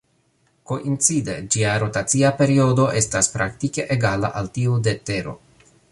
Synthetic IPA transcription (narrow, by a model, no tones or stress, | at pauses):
ko̞ʔint͡side̞d͡ʒiaɾo̞tat͡siape̞ɾio̞do̞ʔe̞staspɾaktike̞ʔeɡala̰ʔaltiude̞te̞ɾo̞̰